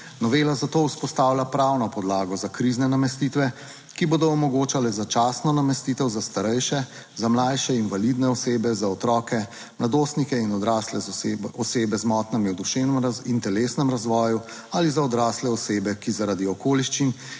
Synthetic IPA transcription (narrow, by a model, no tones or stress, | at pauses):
nɔʋeːlazat̪oːuspɔst̪aːwlʲjapɾawnɔpɔd̪laːɡɔzakɾiznɛnamɛst̪it̪ʋɛ | kiboːd̪ɔːmɔɡoːt͡ʃalɛzat͡ʃaːsnɔnamɛst̪iːt̪ɛwzast̪aɾɛjʃɛ | zamlaːjʃɛinvalid̪nɛɔseːbɛzaɔt̪ɾɔːkɛ | mlad̪oːst̪nikɛinɔd̪ɾaːslɛɔseːbɛzmɔt̪nɛmiwd̪uʃenɛint̪ɛleːsnɛmɾazʋɔːju | alizaɔd̪ɾaːslɛɔseːbɛkizaɾad̪iɔkoːliʃt͡ʃin